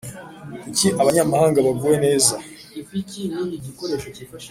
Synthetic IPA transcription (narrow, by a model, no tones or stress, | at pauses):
kuciʔaβaɲamahaːŋɡaβaɡuwe̞ne̞ːza | iicinamiɟikoɾeʃoifaʃ